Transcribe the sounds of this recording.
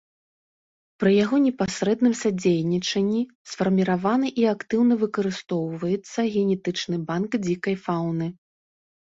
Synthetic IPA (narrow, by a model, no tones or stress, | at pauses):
pɾɨjaɣɔnʲɛpasɾɛd̪nɨmsad͡zʲejnʲit͡ʂɐnʲːi | sfɐrmʲiɾavanɨʔiakt̪ɨwnɐvɨkɐɾɨst̪ɔwvɐjɛt̪sːɐɣʲɛnʲɛt̪ɨt͡ʂnɨbankd͡zʲikɐjfawnɨ